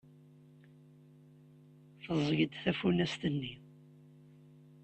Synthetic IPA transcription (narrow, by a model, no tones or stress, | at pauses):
θəzˤəɡəd̪θæfunæst̪ənːi